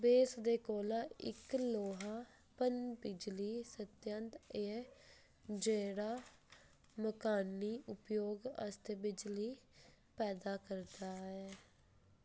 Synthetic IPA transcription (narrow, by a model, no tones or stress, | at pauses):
beːsd̪eːkoːlaːɪkloːɦaː | pənd͡ʒbɪd͡ʒliːsət̪jənt̪eː | d͡ʒeːɽaː | məkaːnːiːʔʊpjoːɡə̰st̪ebɪd͡ʒliː | pɛːd̪aːkəɾd̪aːɛː